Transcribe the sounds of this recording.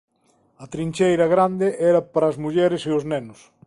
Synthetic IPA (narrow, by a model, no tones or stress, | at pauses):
ɐt̪ɾinʲt͡ʃejɾɐɣɾand̪eʔɛɾɐpaɾɐːzmuʎɛɾɪseʊznɛnʊs